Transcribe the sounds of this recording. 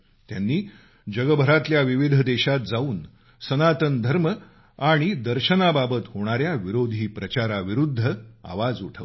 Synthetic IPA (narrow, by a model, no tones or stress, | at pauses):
t̪janːiː | d͡ʑəɡəbʱəɾat̪ljaʋiʋid̪ʱəd̪eɕat̪̚d͡zauːn | sənat̪ənd̪ʱəɾmə | aɽ̃id̪əɾɕənababət̪hoɽ̃aɾjaʋiɾod̪ʱiːpɾət͡ɕaɾaʋiɾud̪ʱːəa̰ʋad͡zuʈʰəʋ